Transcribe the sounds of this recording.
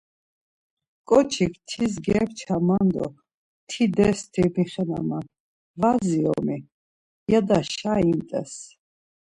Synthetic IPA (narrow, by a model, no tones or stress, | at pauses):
kʼɔt͡ʃʰikʰt̪ʰis̬ɡɛɾt͡ʃʰamand̪ɔ̰ | t̪ʰid̪ɛst̪ʰimiχɛna̰man | vaziɔ̰mi | jad̪aʃaint̪ʼɛ̰s